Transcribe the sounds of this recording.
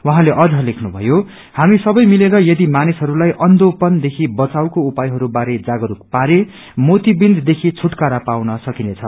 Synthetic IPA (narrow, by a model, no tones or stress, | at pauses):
wʌɦãleʔʌd͡zʱʌlekʰnubʱʌ̰jo | hamisʌbʌjmileɾʌjʌd̪imanisɦʌɾulajʔʌnd̪opʌnd̪ekʰibʌt͡sawkoupajɦʌɾubaɾed͡zaɡʌɾukpaɾe | mot̪ibind̪d̪ekʰit͡sʰuʈkaɾapawnʌsʌkinet͡sʰʌ